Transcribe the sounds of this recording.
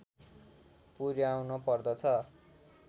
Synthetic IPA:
puɾjawnopʌrd̪ʌt͡sʰʌ

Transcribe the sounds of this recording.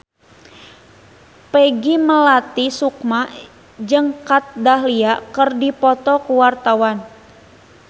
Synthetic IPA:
peɡiməlat̪isukma | d͡ʒɨŋkat̪̚daɦliakərdipɔt̪ɔkuwart̪awan

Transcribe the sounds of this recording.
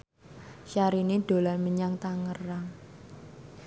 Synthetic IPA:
ʃaɾiniɖ̪̥o̤lanməɲaŋt̪aŋəraŋ

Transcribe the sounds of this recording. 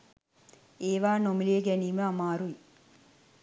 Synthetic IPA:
eːʋaːnomileːɡɛnimeamaːɾuj

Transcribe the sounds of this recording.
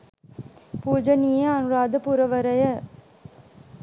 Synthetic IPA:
puːd͡ʒɐniːjɐɐnuɾaːd̪ɐpuɾɐʋɐɾɐjɐ

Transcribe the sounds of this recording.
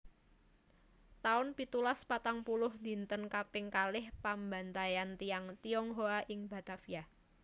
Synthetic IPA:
t̪aʊnpit̪ulaspat̪aŋpulʊhd̪i̤nt̪ənkapɪŋkalɪhpambant̪ajant̪ijaŋt̪iɔŋɦoaʔɪŋbat̪afija

